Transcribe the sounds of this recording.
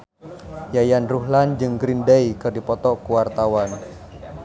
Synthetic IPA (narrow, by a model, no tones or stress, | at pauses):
jajanruɦland͡ʒɨŋɡɾindajkɨrdipɔt̪ɔkuwart̪awan